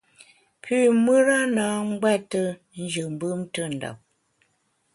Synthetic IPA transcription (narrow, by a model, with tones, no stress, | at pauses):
pʰʉ˦˨mə˦ɾa˦naː˨˦ŋ̩˦ɡwɛ˦tə˦ | n̩˦d͡ʒə˨m̩˨˦bɯ˦mtə˦˨n̩˨da̰˨p̚